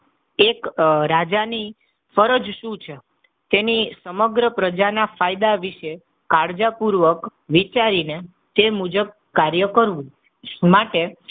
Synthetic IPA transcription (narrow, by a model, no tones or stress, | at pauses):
ekɾad͡ʒani | fəɾəd͡ʒʃũt͡ʃʰe | t̪enisəməɡɾəpɾəd͡ʒanafajd̪aʋiʃe | kaɾd͡ʒapuɾʋəkʋit͡ʃaɾine | t̪emud͡ʒəb̚ | kaɾjəkəɾʋũ | maʈe